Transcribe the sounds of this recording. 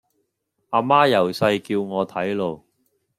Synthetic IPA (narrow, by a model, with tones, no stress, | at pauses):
ʔaː˧maː˥jɐ˨˩wsɐ˧jkiː˧wŋɔː˨˧t̪ʰɐ˨˥jlo˧w